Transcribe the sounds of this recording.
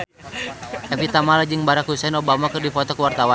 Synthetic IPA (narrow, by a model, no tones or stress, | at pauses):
ʔɛfit̪amalad͡ʒɨŋbaɾakɦusɛnɔbamakɨrdifɔt̪ɔkəwart̪awan